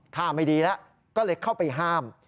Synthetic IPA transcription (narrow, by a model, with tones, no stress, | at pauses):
t̪ʰaː˧˩mːa˥˩jdiː˧lɛ˦˥ʔ | kɔː˥˩lɤː˧jkʰa˥˩wpa˨˧jɦaː˥˩m